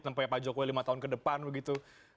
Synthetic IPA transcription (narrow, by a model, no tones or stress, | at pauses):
sampajapad͡ʒokowelimat̪aɦʊnkədəpanbəɡit̪u